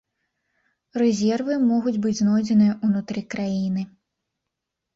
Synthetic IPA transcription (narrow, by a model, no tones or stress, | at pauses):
rɛzʲɛrvɨmɔɣud͡zʲbɨd͡zʲznɔjd͡zʲɛnɨjɐʔunut̪ɾɨkɾajinɨ